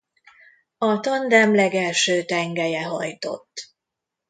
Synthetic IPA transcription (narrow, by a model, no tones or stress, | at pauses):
ɒt̪ɒnd̪ɛmlɛɡɛlʃøːt̪ɛŋɡɛjɛɦɒ̰jt̪o̞̰t̪ː